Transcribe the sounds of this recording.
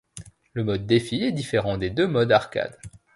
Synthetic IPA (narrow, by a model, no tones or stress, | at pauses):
ləmɔd̪ːefiɛd̪ifeʁɑ̃d̪ed̪ømɔd̪aʁkʲa̰d̪